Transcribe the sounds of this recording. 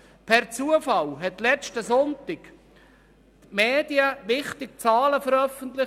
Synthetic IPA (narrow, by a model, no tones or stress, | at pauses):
pʰɛɾt͡suəfɑlɦɛt̪lɛt͡ʃtəsɔntɪk | tmeːdiəʋɪχt̪ɪk̚t͡sɑːləfəɾœfəntlɪ